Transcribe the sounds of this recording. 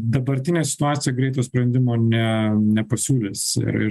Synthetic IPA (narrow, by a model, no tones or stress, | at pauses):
d̪ɐbɐɾʲt̪ʲɪnʲeːsʲɪ̥t̪ʊaːt̪sʲɪjɛɡɾʲɛɪt̪oːsʲpʲɾɐnʲd̪ʲɪmoːnʲɛnʲɛpɐsʲuːlʲesɪ̰ɪ̰